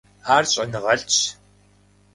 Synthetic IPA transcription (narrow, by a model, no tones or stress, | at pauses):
aːrɕʼɐnɨʁɐɬt͡ʃ